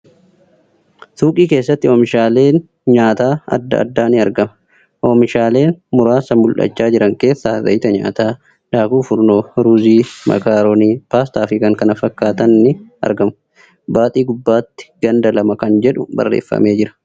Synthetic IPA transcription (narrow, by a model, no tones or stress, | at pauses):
t̪uːkʼiːke̞ːsːɐt̪ːɪoːmɪʃaːle̞ːn | ɲaːt̪aːɐ̰d̪ːɐ̰ɐ̰d̪ːaːnɪɐɾɡɐmɐ̥ | ʔoːmɪʃaːle̞ːnmʊɾaːsɐmʊlʔɐ̰t͡ʃːaːd͡ʒɪɾɐŋke̞ːsːaːzɐ̰jɪt̪ɐɲa̰ːt̪aː | daːkuːfʊɾnoːɾuːziːmɐ̰kaːɾoniːpaːst̪aːfɪkɐŋkɐnɐfɐkːaːt̪ɐnːɪɐ̰ɾɡɐmɐ | baːt̪ʼiːɡʊbːaːt̪ːɪ̥ɡ̥ɐnd̪ɐlɐmɐkɐnd͡ʒɛᶑʊbɐ̰rːḛːfːɐ̰me̞ːd͡ʒɪɾɐ̥